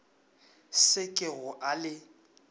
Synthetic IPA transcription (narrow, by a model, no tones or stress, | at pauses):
sɪkʼɪɣʊʔalɪ